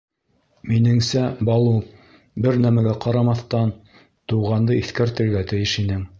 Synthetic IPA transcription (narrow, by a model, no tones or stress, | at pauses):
minɘ̆ŋsæbɑlˠu | bɘɾnæmæɡæqɑɾɑmɑθt̪ɑn | t̪uʁɑnd̪ɤiθkæɾt̪ɘ̆ɾɡæt̪ɘ̆jɘʃinɘŋ